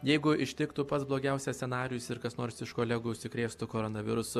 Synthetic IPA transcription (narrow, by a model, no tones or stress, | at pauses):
jɛɪɡʊɪʃʲt̪ʲɪkt̪ʊpɐt̪sblˠoːɡʲɛˑʊsʲɛsʲsʲɛnɑːɾʲɪjʊsɪɾkɐsnoːɾsɪʃkoːlʲɛɡuːʊʃʲsʲɪkɾʲeːst̪ʊkoːɾoːnɐʋʲɪɾʊsʊ